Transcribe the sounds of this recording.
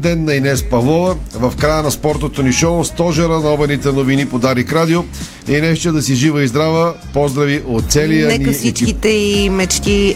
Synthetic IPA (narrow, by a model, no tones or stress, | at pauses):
d̪ɛnːɐinɛspɐvlˠɔvəvɐfkɾajənɐspɔɾt̪ot̪oniʃɔst̪ɔʒɛɾənɐɔbɛnit̪ɛnovinipod̪aɾikɾad̪io | ɛnɛʃt̪ɛd̪ɐsiʒivəizd̪ɾavə | pɔzd̪ɾɐviʔot̪t̪sɛlijənnifsit͡ʃkkit̪ɛimɛt͡ʃki